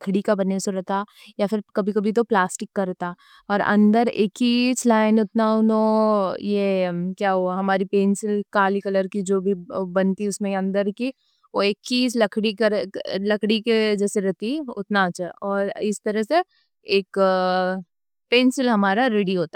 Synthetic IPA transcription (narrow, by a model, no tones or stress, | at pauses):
kʰɽikabɐnːesoɾɐɦt̪ajafɪɾkɐbʱikɐbʱit̪̬oplaːsʈɪkːɐɾt̪a | ɔːɾɐ̰̃nd̪əɾekːit͡ʃlaːɪnʊt̪naʊnõjekjaːɦoaɦɐmaːɾipeːnsɪlkaːlikɐləɾkid͡ʒoːbʱibɐnt̪iʊsmẽɐ̃nd̪əɾki | ʋoeːkːiːt͡ʃlɐkʰɽikɐɾlɐkɽiked͡ʒɛːseɾɐɦt̪iʊ̰t̪nat͡ʃɔːɾɪst̪ɐɾəɦse | eːk | peːnsɪlɦɐmaːɾaɾeːɽiɦoːt̪a